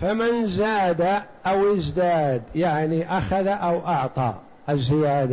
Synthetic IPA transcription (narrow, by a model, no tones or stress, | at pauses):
famənzaːd̪aʔawɪzd̪aːd̪jaʕniʔaxaðaʔawʔɑʕt̪ˤɑ̰ | ʔəzːɪjaːd̪a